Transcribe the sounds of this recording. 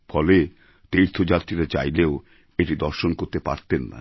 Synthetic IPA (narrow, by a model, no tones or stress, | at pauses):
fɔle | t̪ejɾt̪ʰod͡ʑat̪ːɾiɾat͡ɕa̰jleo | eʈid̪ɔɾʃonkoɾt̪epa̰ɾt̪enːa̰